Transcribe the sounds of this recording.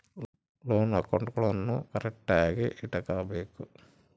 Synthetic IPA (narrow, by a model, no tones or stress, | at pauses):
loːnɐkːoɳɖukuɭɐnːukɐɾek̚ʈaːɡḭʔiʈɐkaːbeːku